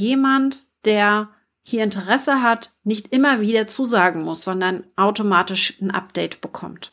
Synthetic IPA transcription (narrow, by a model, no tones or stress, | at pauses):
jeːmantd̥eːɐ | hiːɐɪntəʁɛsəɦatnɪçtʔɪmɐviːdɐt͡suːzaːɡŋ̩mʊsz̥ɔndɐnʔaʊtomaːtɪʃn̩ʔa̰p̚d̥ɛɪtb̥əkʰɔ̰mt